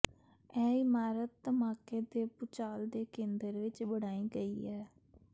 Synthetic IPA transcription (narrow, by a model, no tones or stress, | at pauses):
ɛːɪmaːɾət̪ːəmaːkeːd̪eːpʊt͡ʃaːld̪eːkẽːnd̪əɾʋɪt͡ʃbəɽaːĩːɡəiːɛː